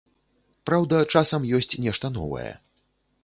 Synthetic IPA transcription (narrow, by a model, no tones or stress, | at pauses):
pɾawd̪ɐt͡ʂasɐmjɔsʲt͡sʲnʲɛʂt̪ɐnɔ̰vɐ̰jɛ̰